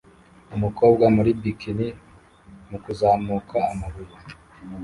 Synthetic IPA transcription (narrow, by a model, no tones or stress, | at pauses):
umuko̞ːbɡwamuɾibikini | mukuzaːmukʰaːmaβuɾu